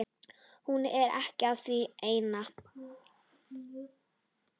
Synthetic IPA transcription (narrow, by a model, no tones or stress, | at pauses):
hunɛɾʔɛ̰hcɪaðθvieːjna